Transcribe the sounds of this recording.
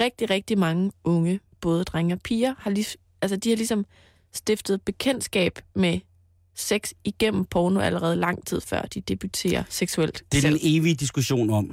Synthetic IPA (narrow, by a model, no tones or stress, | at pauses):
ʁɛɡ̥̚d̥iʁɛɡ̥̚d̥imɑ̈ŋəɔ̽ŋəb̥ɔ̽ːð̞ˠd̥ʁaŋɐpʰiːɐhɑ̈li | ælsəd̥ihɑ̈lisɒ̽m | sd̥efd̥ð̩ˠb̥e̝kʰen̰d̥sɡ̥ɛ̰ːb̥me | seɡ̥siɡ̥em̰m̩pʰɒːno̝ʔæləʁɛːð̞ˠlɑ̈ŋ̰t͡sʰið̞̰ˠfɶɐ̰d̥id̥eb̥yt͡sʰe̝̰ːɐseɡ̥suel̰d̥d̥e̥ene̝ːʋid̥isɡ̥uɕo̝̰ːnɒ̽m̰